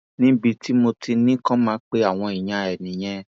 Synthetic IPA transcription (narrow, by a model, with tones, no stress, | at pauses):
nĩ˦bi˧ti˦mo˧ti˧nĩ˦kɔ̃˦mãː˨˦k͡pe˦a˦˨w̃ɔ̃˧i˨j̃ã˧ɛ˨nĩ˨j̃ɛ̃˧